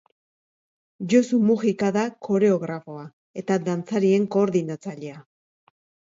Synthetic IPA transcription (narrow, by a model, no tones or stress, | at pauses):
ʝosumuɣikaðakʰo̞ɾe̞o̞ɣɾafo̞a | e̞t̪ad̪ant͡saɾie̞ŋko̞ːɾðinat͡saʎe̞a